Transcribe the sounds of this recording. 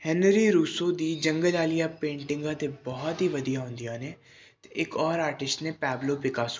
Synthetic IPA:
hɛnɾiːɾuːsod̪iːd͡ʒə̃ŋɡəlaːlijaːpẽːɳʈɪ̃ŋɡãːt̪ebɔɦɔt̪ɦiʋɐd̪ijaːɦʊ̃nd̪ijãːne | t̪eɪkɔːɾaːɾʈɪsʈnepɛːbloːpɪkaːs

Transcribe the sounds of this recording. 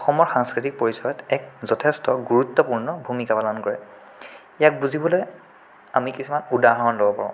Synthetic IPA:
ɔxɔmɔɹxaŋskɹitik̚poɹisɔjɔtɛk̚zɔtʰestɔɡuɹutːɔpuɹnɔbʱumikapalɔnkɔɹɛ | ijak̚buzibɔloj | amikisumanudaɦɔnlobɔpa̰ɹɔ̃

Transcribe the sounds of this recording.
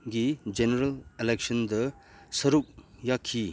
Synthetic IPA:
ɡid͡ʒeneɾɐleleksənd̪ɐ | sɐɾup̚jakʰːi

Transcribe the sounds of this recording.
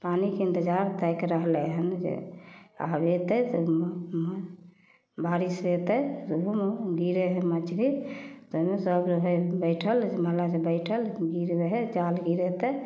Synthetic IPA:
panikeĩnt̪ed͡ʒaɾt̪ɛjkɾəɦleɦənd͡ʒḛa̰bet̪ət̪ɔmm | baɾiset̪əjt̪uɦumɡiɾeɦemət͡ʃɾit̪omesəɡɾəɦəbəɪʈʰəld͡ʒməɦlad͡ʒebəɪʈʰəlɡiɾeɦed͡ʒalɡiɾet̪ə

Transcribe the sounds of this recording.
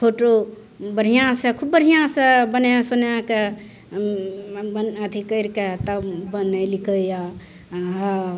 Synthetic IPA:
pʰoʈo | bəɾ̤ijãsekʰubːəɾɦijãsebəneãsonjãke | bənət̪ʰikəjɾket̪əbənəjlikəja | ɦa

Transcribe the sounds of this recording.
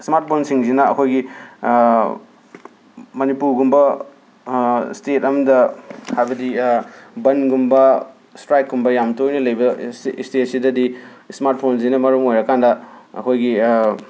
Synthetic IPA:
smaɾt̚pʰonsiŋzinɐɐ̰kʰojɡi | mɐnipuɾɡumbɐ | stetɐmdɐhajbɐdi | bɐnɡumbɐ | stɾajkːɡumbɐjamtojnɐlɐjbɐstet̚sidɐdismaɾt̚pʰonzinɐmɐɾumojɾɐkandɐɐ̰kʰojɡi

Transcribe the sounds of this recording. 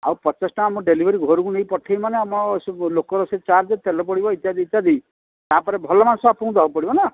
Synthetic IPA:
a̰wpɔt͡ʃasʈɔamɔɖelibʱɔɾiɡʱɔɾukunejpɔʈʰajmaneamɔslokɔɾɔset͡ʃaɾd͡ʒet̪elɔpɔɽibɔit̪jad̪it̪ːjad̪ij | t̪apɔɾebʱɔlɔmansɔbapũũd̪ɔɔpɔɽibɔna

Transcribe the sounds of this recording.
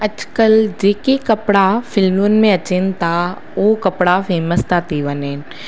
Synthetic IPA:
əd͡ʒkəld͡ʒeːkekɐpɽafʰɪlmunmẽɐt͡ʃɪnt̪a | oːkɐpɽafʰeːməst̪aːt̪iʋəneːn

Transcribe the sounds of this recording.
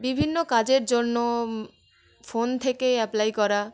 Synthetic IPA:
bibʱinːokad͡ʑeɾd͡ʑonːo | font̪ʰekeɛplajkɔɾa

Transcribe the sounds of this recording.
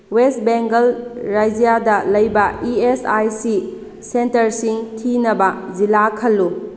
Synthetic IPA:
west̚beŋɡɐlɾajd͡ʒijadɐlɐjbɐiesajsi | sentɐɾsiŋtʰinɐbɐzilakʰɐlːu

